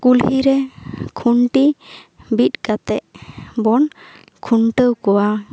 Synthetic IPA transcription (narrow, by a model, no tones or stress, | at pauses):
kulhiɾɛkʰuɳʈibit̪̚kat̪ɛʔbɔn | kʰuɳʈəwkɔwa